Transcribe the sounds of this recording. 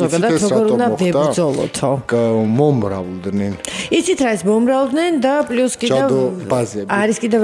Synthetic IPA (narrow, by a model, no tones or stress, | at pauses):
zɔɡadd̪at̪ɾɔɾɡɔɾuɔnd̪avɛb̪ɾdzɔlˠɔ̰t̪ʰɔmɔmɾa̰vld̪nɛnit̪sʰit̪ʰɾasmɔmɾavlˠd̪nɛnd̪apʼluskʼiɛvbazɛbaɾiskʼid̪ɛv